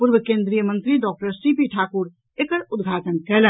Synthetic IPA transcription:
puɾbəkẽnd̪ɾijəmə̃nt̪ɾiɖɔːk̚ʈəɾsipiʈʰaːkuɾ | ekəɾud̪ɡʱaʈənkɛlə

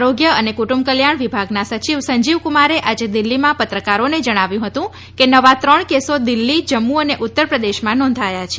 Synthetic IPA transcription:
ɾoɡjəənekuʈumb̚kəljaɳ̃ʋibʱaɡnasət͡ʃiʋsəɲd͡ʒiʋkumaɾeʔad͡ʒed̪ilːimãpət̪ɾəkaɾoned͡ʒəɽ̃aʋjũɦət̪ũ | kenəʋat̪ɾəɳkesod̪ilːid͡ʒəmːuəneʔut̪ːəɾpɾəd̪eʃmãnɔ̃nd̪ʱajat͡ʃʰe̥

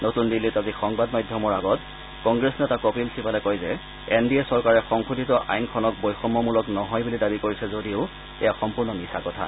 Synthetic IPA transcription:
notundilːitazixɔŋbadmajdʱjɔmɔɹaɡɔt | kɔŋɡɹesnɛtakopilsipalɛkojzɛ | endiɛsɔɹkaɹɛxɔŋxudʱitɔʔa̰jnkʰɔnɔk̚bojxɔmːɔmulɔknɔɦɔjbulidabikoɹisɛzodiʊ | ɛ̰jaxɔmpuɹnɔmisakɔtʰa̰

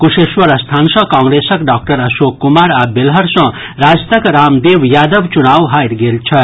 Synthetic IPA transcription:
kuseswʌɾəst̪ʰansʌ̃kãŋɡɾesʌkɖak̚ʈʌɾʌsokːumaɾabelɦʌɾsʌ̃ | ɾad͡zt̪əkɾamd̪ewjad̪ʌbt͡ʃunawɦajɾɡelt͡sʰʌ

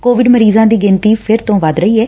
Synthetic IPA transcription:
koːʋɪɖməɾiːzãːd̪iːɡɪnt̪iːpʰɪɾt̪õːʋəd̪ɾəiːɛː

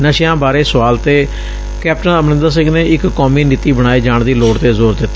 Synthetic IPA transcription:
nəʃjãːbaːɾeːsəʋaːlt̪eː | kɛːp̚ʈənəmnɪ̃nd̪aːs̬ɪ̃ŋɡneːɪkːɔːmiːniːt̪iːbəɽ̃aːeːd͡ʒaːɳd̪iːloːʈt̪eːzoːɾd̪ɪt̪ː

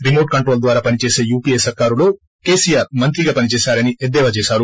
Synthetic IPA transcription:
ɾimoːʈ̚kɐɳʈɾo̞ːld̪ʋaːɾaːpɐnit͡ʃe̞ːse̞ːjuːpiesɐɾkaːɾulo̞ː | ke̞ːsijaːɾmɐnt̪ɾiɡaːpɐnit͡ʃeːsaːɾɐnied̪ːɛːʋɐt͡ʃeːsaːɾu

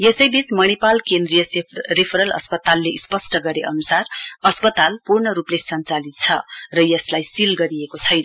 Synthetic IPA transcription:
jesʌjbit͡smʌñipalkend̪rijʌsrepʰɾʌlʌ̰spʌt̪alːeispʌsʈʌɡʌɾeʔʌnusarʌspʌt̪alpurɳʌɾuplesʌnt͡salit̪̚t͡sʰʌ̰rʌjʌslajsilɡʌɾiekot͡sʰʌjnʌ

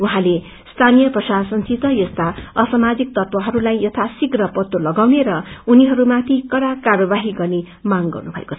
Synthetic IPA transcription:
uɦãle | st̪ʰanijʌprʌsasʌnsʰit̪ʌjʌst̪aʌsʌmad͡zik̚t̪ʌt̪wʌɦʌɾulajjʌt̪ʰasiɡrʌpʌt̪ːolʌɡawneɾʌuniɦʌɾumat̪ʰikʌɾakarʌbaɦiɡʌrne | maŋɡʌ̰rnubʱʌ̰ḛkot͡sʰʌ̥

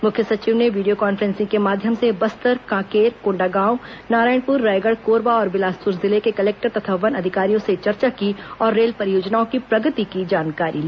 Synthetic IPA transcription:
mʊkʰjəsɐt͡ʃiːʋneʋiːɖijokaːnfəɾɛ̃ːnsɪ̃ŋkemaːd̪ʱjəmsebɐst̪əɾkãːkeːɾkõːɳɖaːɡãːʊ̃naːɾaːɪɳpʊɾːaːɪɡəɽkoːɾbaɔːɾbɪlaːspʊɾzɪlekekɐleːk̚ʈəɾt̪ɐt̪ʰaʋənɐd̪ʱɪkaːɾijõset͡ʃɐɾt͡ʃakiɔːɾːeːlpɐɾjoːd͡ʒnaːõkipɾɐɡət̪ikid͡ʒaːnkaːɾiliː

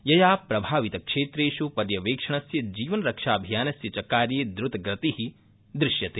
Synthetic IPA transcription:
jɐjaːpɾɐbʱaːʋit̪ɐkʂeːt̪ɾeːʃupɐɾjɐʋeːkʂɐɳ̃ɐsjɐd͡ʒiːʋɐnɾɐkʂaːbʱijaːnɐsjɐt͡ʃɐkːaːɾjeːd̪ɾʊt̪ɡɾɐt̪ihi | d̪ɾɪʃjɐt̪eː

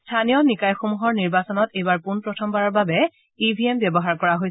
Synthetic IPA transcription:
stʰanijɔnikajxomuɦɔɹniɹbasɔnɔtejbaɹpunpɹɔtʰɔmbaɹɔɹbabɛ | ibʱiembjɛbɔɦaɹkɔɹaɦojs

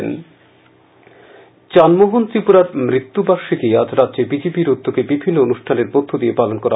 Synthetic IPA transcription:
n | t͡ɕanmoɦunt̪ɾipuɾaɾmɾit̪ːubaʃit̪iad͡ʑɾadʑebid͡ʑepiɾud̪ʱːokebibʱinːoonuʃʈʰaneɾpod̪ʰʱːod̪iepalonkɔɾa

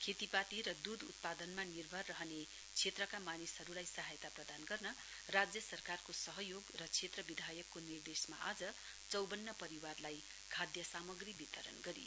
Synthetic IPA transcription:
kʰet̪ipat̪iɾʌd̪ud̪ʱut̪̚pad̪ʌnmanirbʱʌrːʌɦʌne | t͡sʰet̪rʌkamanisɦʌɾulajsʌɦajt̪aprʌd̪anɡʌrnʌ | rad͡zjʌsʌrkarkosʌɦʌjoɡrʌt͡sʰet̪rʌbid̪ʱajʌkːonird̪esma̰ʔad͡zʌ | t͡sʌwbʌnːʌpʌɾiwarlaj | kʰad̪jʌsamʌɡribit̪ʌɾʌ̰nɡʌɾḭ

